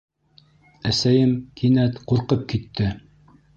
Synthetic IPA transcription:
æsæjɘmkʰinæt̪quɾqɤp̚kit̪ːɘ

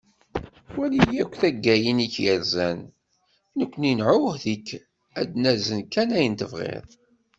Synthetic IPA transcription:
wælijækʷːθæɡːæjəniçjəɾzæn | nəkʷːninʕʊhðikː | æd̪næzənkːænæjənt̪əvʁḛðˤ

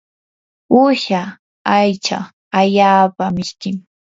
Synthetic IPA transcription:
ʊʃa | ajt͡ʃa̰ | aʎaːpamɪʃkɪŋ

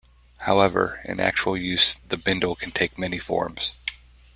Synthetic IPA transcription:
haʊɛvə̰˞ɨ̰̃næ̰k̚t͡ʃul̩ˠjʉz̥ðɨbɪ̃ndl̩ˠkʰn̩tʰeɪk̚mɛnifɔ̰ɹmz̥

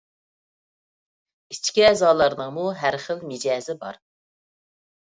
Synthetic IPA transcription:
it͡ʃkʲiɛzɑːlˠɑɾnəŋmuɦæɾχəlmɪd͡ʒɛːzɪbɑ̰ɾ

